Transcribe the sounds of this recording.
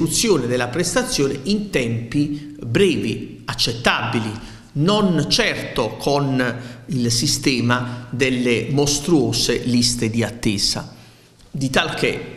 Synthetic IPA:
ɾut̪sːjoːnɪd̪elːapɾest̪at̪sːjoːneʔint̪ɛmpi | bɾɛːvi | at͡ʃːet̪ːabili | nont͡ʃɛrt̪okʰonilsist̪ɛːmad̪elːemost̪ɾuɔːselist̪ed̪iat̪ːɛːsa̰ | d̪it̪alke

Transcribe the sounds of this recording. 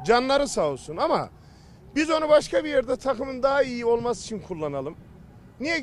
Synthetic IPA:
d͡ʒanlˠaɾɯsausunama̰ | bizo̞nubaʃkʰabijeɾd̪ɛt̪ʰakʰɯmɯnd̪aɦaijio̞lˠmasi̥t͡ʃʰinkʰulˠːanalˠɯm | nijɛ

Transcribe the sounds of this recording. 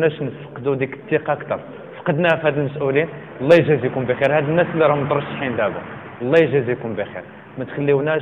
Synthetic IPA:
næʃnfə̥qd̪ud̪ikə̥t̪ːiqɑkt̪ɑ̰ɾˤ | fqɑd̪nææfhæd̪əlməsʔulin | lˤːɑjʒæzjkumbixiɾhæd̪ənːæslːiɾˤɑmd̪ˤɾˤʃħinlæbṵ | lˤːɑjʒæzikumbixḭɾ | mæt̪xəlːiwnæ

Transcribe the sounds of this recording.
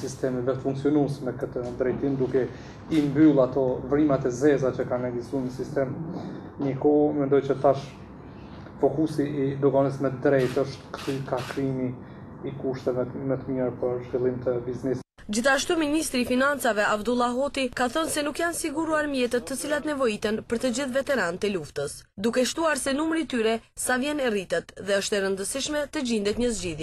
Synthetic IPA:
sist̪ɛmiðɛt̪əfuŋksiɔnusmɛkət̪əd̪ɾɛjt̪imd̪ukɛ | imbylˠat̪ɔvɾimat̪ɛzɛzat͡ʃəkanɛɡist̪unəsist̪ɛm | nikɔmɛnd̪ɔjt͡ʃət̪aʃ | fɔkusid̪ɔkanəsmɛd̪ɾɛjt̪əʃt̪kykakɾimi | ikuʃt̪ɛvɛmɛt̪əmjəɾpəɾʒvilˠimt̪əbiznɛsi | d͡ʑiθaʃt̪uminist̪ɾiːfinant͡savɛʔavd̪ulˠaɦɔt̪ikaθənsɛnukjansiɡuɾuaɾmjɛt̪ət̪ːət͡silat̪nɛvɔit̪ənpəɾt̪əd͡ʑiθvɛt̪ɛɾant̪əluft̪əsd̪ukɛʃt̪uaɾsɛnumɾit̪yɾɛsavjɛnɛrit̪ɛt̪ðɛəʃt̪ɛɾənd̪əsiʃmɛt̪əd͡ʑind̪ɛt̪ɲəzd͡ʑiðjɛ

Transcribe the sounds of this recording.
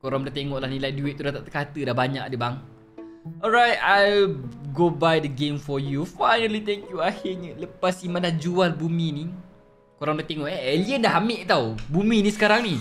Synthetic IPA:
koɾamdaht̪eŋɔʔlahnilajdueʔ̪̚t̪ːudat̪aʔt̪əkat̪ədahbaɲakadəbaŋ | ʔɔlɹajt̚ajlɡobajdəɡemfɔjufajnəlit̪ɛŋkjuahɪɲələpasimãnlad͡ʒualbumĩni | koɾaŋdat̪eŋɔʔɛeliəndaɦamɪʔt̪awbumĩnisə̥kaɾaŋni

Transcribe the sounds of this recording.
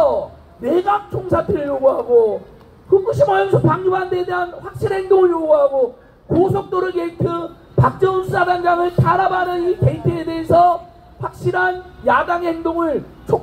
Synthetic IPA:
ʌ | ne̞ɡak̚t͡ɕ͈ʰoŋsʰatʰɯɾɯɭjoɡuɦaɡo | kuk͈ʰɯɕʰimaʌnsʰok̚paŋɲuphantʰeedeɦanɸwak̚ɕ͈iɾhe̞ŋdoŋɯɭjoɡuɦaɡo | kosʰʌk̚t͈oɾɯɡeitʰɯ | pak̚t͡ɕ͈ʌunsʰusadaŋd͡ʑamɯɭtaɾabaɾɯike̞itʰɯede̞esʰʌ | ɸwak̚ɕ͈iɾɦanjadaŋhe̞ŋdoŋɯɭ | t͡ɕʰo

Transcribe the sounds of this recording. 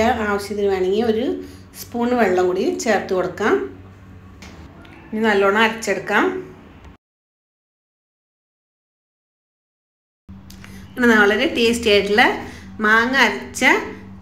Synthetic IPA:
ɐaːʋɐɕjɐðiɾuʋeːɳiŋɡio̞ɾu | spuːɳːɨʋeɭːɐŋkuːɽit͡ɕeːrt̪ːɨkoɽukːaːm | iɲːinɐlːoːɳːɐɐɾɐt͡ɕːe̞ɽukːaːm | enːɐnɐːɐɭɐɾeʈeːsʈeːʈːilemaːŋːɐɐɾɐt͡ɕːɨ

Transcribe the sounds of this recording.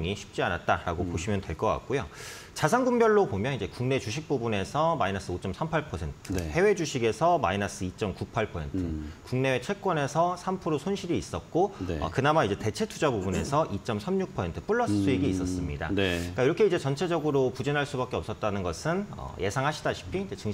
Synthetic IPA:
ŋiɕʰi̥p̚t͡ɕ͈ianat̚t͈aɾaɡopoɕʰimjʌntwe̞ɭk͈ʌk͈a̰k̚k͈ojo | t͡ɕas̬ʰanɡuŋbjʌɭːopomjʌnid͡ʑe̞kuŋne̞t͡ɕuɕ̬ʰik̚p͈ubune̞sʰʌmainas͈ɯot͡ɕ͈ʌmsʰampʰaɭpʰʌsʰe̞ntʰɯhe̞we̞d͡ʑuɕʰiɡe̞sʰʌmainas͈ɯit͡ɕ͈ʌmkupʰaɭpʰʌsʰe̞ntʰɯkuŋne̞wet͡ɕʰwe̞k̚k͈wʌne̞sʰʌsʰampʰɯɾosʰonɕʰiɾiːs͈ʌt̚k͈onʌ̰kɯnamaid͡ʑe̞te̞t͡ɕʰe̞tʰud͡ʑabubune̞̰sʰʌʔit͡ɕ͈ʌmsʰamɲuk̚pʰʌsʰentʰɯ̥p͈uɭːʌsʰɯs͈ʰuiɡiːs͈ʌs͈ɯmɲida̰nk͈aiɾʌkʰe̞id͡ʑe̞t͡ɕʌnt͡ɕʰe̞d͡ʑʌɡɯɾopud͡ʑinɦaɭs͈ubak͈eʌp̚s͈ʌt̚t͈anɯnɡʌsʰɯnʌ̰jʔe̞sʰaŋɦaɕʰidaɕʰi̥pʰid͡ʑet͡ɕɯŋ

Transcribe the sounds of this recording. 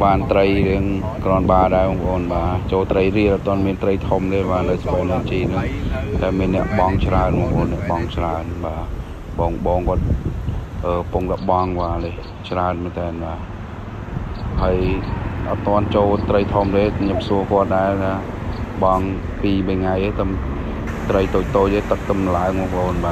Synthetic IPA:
ɓaːnt̪rəjɾiəŋ | krɔənɓaːɗaɛɓɔːŋpʰəʔoːnɓaːt͡ɕoːlt̪rəjriəʔɑt̪ːoənmiənt̪rəjt̪ʰomt̪eːɓaːnəspəːnɨt͡ɕiːnɨŋt̪aɛmiənːɛ̆əʔɓɑŋt͡ɕraənmɔ̆ːəŋpʔoːnɛ̆əʔɓɑŋt͡ɕraənɓaː | ɓɔːŋɓɔːŋkŏət̪̚ | ʔəːkpuŋɗ̪aɓɑŋʋaːleː | t͡ɕraənmɛnt̪ɛːnɓaː | həəjʔɑt̪̚ːŏənt͡ɕoːlt̪rəjt̪ʰomt̪eːɲɨəmsuəkŏət̪̚ɗaɛt̪ʰaː | ɓɑŋ | piːɓəŋajʔeːt̪ɨm | t̪rəjt̪oːc̚t̪oːc̚ʔ̪eːt̪ɨk̚t̪ɨmlaəŋmɔkpəʔoːnɓaː

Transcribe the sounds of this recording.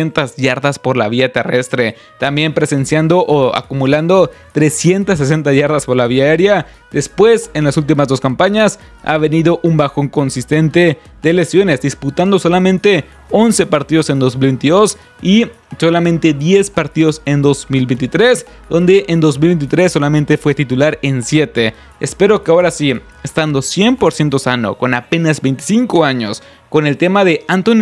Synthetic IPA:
ent̪azʝaɾðaspo̞ɾlaβiat̪e̞re̞st̪ɾe̞ | t̪ambje̞mpɾe̞se̞nsjand̪o̞ʔoa̰kumuland̪o̞t̪ɾe̞sje̞nt̪asːes̬e̞nt̪aʝaɾðaspo̞ɾlaβiae̞ɾja | ðe̞spwe̞se̞nlasult̪̬imazðo̞skampaɲas | a̰βe̞niðo̞ʔumbaxo̞ŋko̞nsist̪e̞nt̪e̞ | ðele̞sjo̞ne̞zd̪isput̪and̪o̞so̞lamẽnt̪e̞ | o̞nse̞paɾt̪iðo̞se̞nd̪o̞zmilβe̞jnt̪iðo̞s | i | so̞lamẽnt̪e̞ðje̞spaɾt̪iðo̞se̞nd̪o̞zmilbent̪it̪ɾe̞s | d̪o̞nd̪e̞ʔend̪o̞zmilβe̞nt̪it̪ɾe̞sːo̞lamẽ̞nt̪e̞fwe̞t̪it̪ulaɾe̞nsje̞t̪e̞ | espe̞ɾo̞keaoɾasi | est̪and̪o̞sje̞mpo̞ɾsje̞nt̪o̞sano̞̰ko̞nape̞nazbe̞jnt̪i̥siŋko̞aɲo̞s | ko̞ne̞lt̪e̞maðe̞ant̪on

